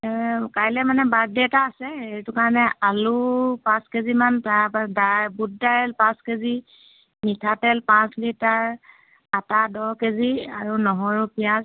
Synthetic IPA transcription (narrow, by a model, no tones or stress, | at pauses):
kajlɛmanɛbaɹdiɛtaːsɛeɹitʊkaɹɔnɛʔalupãskezimantadabud̚dajɛlpãskezi | nitʰatɛlpãslitaɹ | atadɔkeziaɹunɔɦɔɹupijãz